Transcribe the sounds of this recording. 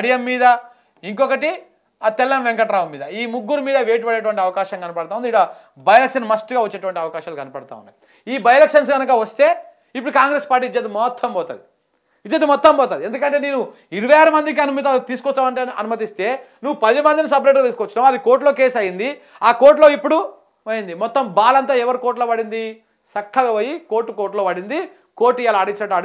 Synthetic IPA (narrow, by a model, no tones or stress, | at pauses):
ɐɽijɐmːiːd̪ɐ | iŋkɔkɐʈi | at̪ɛlːɐmʋeŋkɐʈːɾaːʋɐmːiːd̪ɐiːmuɡːuɾumiːd̪ɐʋeːʈ̬ubɐɽeʈuʋɐɳʈiɐʋɐkaːʃɐŋkɐnɐpɐɽt̪aːund̪iɽɐ | bɐjɐlekʂɐnmɐsʈɡaːʋɐt͡ʃːeːʈuʋɐɳʈiɐʋɐkaːʃaːlkɐnɐpɐɽt̪a̰ːṵnːa̰ːi | iːbɐjɐlekʂɐns̬ɡɐnɐkɐʋɐst̪e̞ː | ip̬ːuɽukaːŋɡɾespaːɾʈ̬iːid͡ʒeːt̪emɔt̪ʰːɐmbɔːt̪a̰ːd̪i | it͡ʃːeːt̪emɔt̪ːɐmbɔːt̪aːdiend̪ukɐɳʈ̬ene̞ːnu | iɾuʋɐjaːɾɐmɐnd̪ik̬iɐnumɐt̪t̪iːsu̥kɔst̪aːmɐʈɐ̰numɐt̪ist̪e̞ː | nuʋːupɐd̪imɐnd̪inisɐpɾeʈɡat̪iːsukɔt͡ʃːinaːmɐd̪iko̞ːɾʈ̬lo̞ːkeːsɐjind̪i | aːkoːɾʈ̬lo̞ːipːuɽu | ʋɐjind̪imɔt̪ːɐmbaːlɐnt̪aːɛʋɐɾikoːɾʈloːʋɐɽind̪i | sɐkʰːɐɡɐʋɐjikoːɾʈːukoːɾʈlo̞ːʋɐɽind̪i | koːʈːijaːlɐɐɽit͡ʃinɐʈːɐɽ